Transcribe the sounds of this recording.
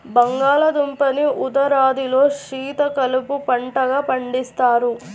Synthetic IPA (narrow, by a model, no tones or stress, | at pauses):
bɐŋɡaːlɐd̪umpɐniʔud̪ɐɾaːd̪ilo̞ːʂiːt̪ɐkɐlupupɐɳʈɐɡaːpɐɳɖist̪aːɾu